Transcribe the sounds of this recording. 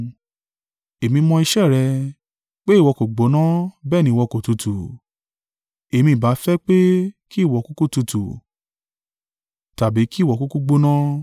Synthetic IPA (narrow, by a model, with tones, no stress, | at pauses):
e˨mĩ˧mɔ̃˧i˧ʃɛ˦˨ɾɛ˧ | k͡pe˦i˦˨wɔ˧ko˨ɡ͡bo˨˦nã˦bɛ˦˨nĩ˧˦˧wɔ˧ko˨tu˧tʰu˨ | e˨mĩ˧˦˨ba˨˦fɛ˦k͡pe˦ki˦˨wɔ˨˦ku˦ku˦˨tu˧tu˨ | ta˨bi˨˦ki˦˨wɔ˨ku˦ku˦ɡ͡bo˦nã˦